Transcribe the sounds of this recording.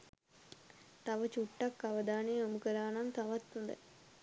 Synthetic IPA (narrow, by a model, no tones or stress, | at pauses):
t̪aʋət͡ʃuʈːakːaʋəd̪aːnejomukəɾaːnant̪aʋat̪hũnd̪ə̰